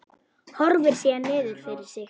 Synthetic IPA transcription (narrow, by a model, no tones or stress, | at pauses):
hɔɾvɪɾ̥siːanɪːðʏɾ̥fɪɾɪɾ̥sɪx